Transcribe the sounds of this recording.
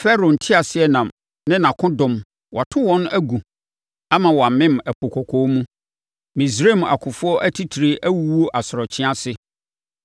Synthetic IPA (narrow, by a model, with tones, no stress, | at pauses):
fɛ˦ɾo˨n̩˨tʰɪ˦a˨sɪ˦ɛ˦nã˨m | nɪ̃˦nã˨kʰʊ̃˦dʊ̃˨m | wʔa˨tʰʊ̃˦wɔ̃˦næ˦ɡu˨ | a˦mã˨wɔ˨a˨mɪ̃˦mæ˨pʰo˨kʰɔ˨kʰo˦mũ˦ | mĩ˨s̬ɾe˦˨m˨a̰˨kʰʊ̃˨fʊ˦ɔ˦ʔæ˦tʰi˦tʰi˨ɾe˨ʔæ˦wu˦wo˦ʔa˨sɾɔ˨t͡ɕʰɪ̃˦a˦sɪ˦